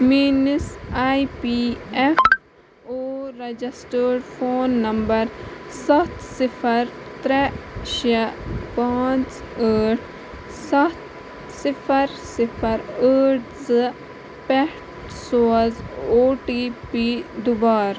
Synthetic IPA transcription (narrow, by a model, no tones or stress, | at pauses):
miːnəsaːipiɛf | oːɾɐd͡ʒisʈəːɖfʰoːnːɐmbɐɾsɐt̪ʰsɪpʰɐɾt̪ɾɛʃɐpaːt͡s | əːʈ | sɐt̪ | sɪpʰɐɾsɪpʰɐɾəːʈzɨ | pɛʈ | soːzoːʈiːpid̪ubaːɾ